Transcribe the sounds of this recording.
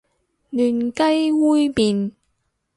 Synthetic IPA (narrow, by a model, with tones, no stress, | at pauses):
nyː˨˩nkɐ˥jwuː˥jmiː˨n